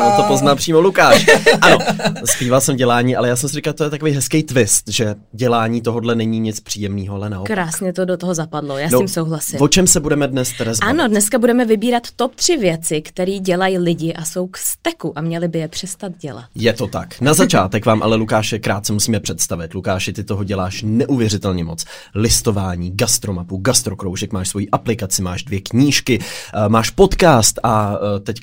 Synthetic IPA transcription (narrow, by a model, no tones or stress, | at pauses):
anot̪opoznaːpr̥iːmolukaːʃʔano̞spiːvalsɛmvɟɛlaːɲiːʔalɛjaːs̬ɛmsɪɾɪkat̪ojɛt̪akovejɦɛskɛjt̪vɪst̪ʒɛ | ɟɛlaːɲiːt̪o̞ɦodlɛnɛɲiːɲɪt͡spr̥iːjɛmniːɦoalɛnaʔokɾaɾaːsɲɛt̪odot̪oɦozapadlojaːnoɪmsowɦlasɪvot͡ʃɛmsɛbudɛmɛdnɛst̪ɛɾazanodnɛskabudɛmɛvɪbiːɾat̪ːop̚t̪r̝̥ɪvjɛt͡sɪkt̪ɛɾiːɟɛlajilɪɟɪʔasowkst̪ɛkuʔamɲɛlɪbɪjɛpr̥ɛst̪at̪ɟɛla̰t̪jɛt̪o̞t̪aknazat͡ʃaːt̪ɛkvaːmʔa̰lɛlukaːʃɛkɾaːt̪̚t͡sɛmusiːmɛpr̥ɛt̪st̪avɪt̪lukaːʃɪt̪ɪt̪oɦo̞ɟɛlaːʃnɛʔuvjɛrɪt̪ɛlɲɛmo̞t͡s | lɪst̪o̞vaːɲiːɡast̪ɾomapuɡast̪ɾo̞kɾowʒɛkmaːʃsvo̞jiːʔaplɪkat͡sɪmaːʒdvjɛkɲiːʃkɪmaːʃpo̞t̪kaːst̪ʔat̪ɛc